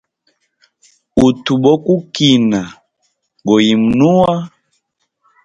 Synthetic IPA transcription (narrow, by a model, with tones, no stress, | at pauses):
u˨tu˨ɓɔ˦ku˦ki˨na˨ | ɡɔ˨ji˨mu˨nu˦wa˦